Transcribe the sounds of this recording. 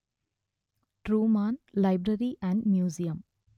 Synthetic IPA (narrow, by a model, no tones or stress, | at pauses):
ʈɾuːmaːnlɐɪbɾɐɾiʔæ̃ɳɖmjuːzijɐm